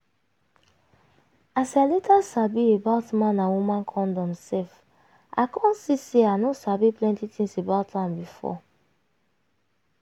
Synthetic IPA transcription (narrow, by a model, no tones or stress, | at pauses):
asalɛtasabiebaʊtmãnːawumãnkʰɔ̃ndɔ̃msɛf | a̰kʰɔ̃nsiseanosabiplɛ̃ntitʰĩŋsebaʊtmãmbifɔ̰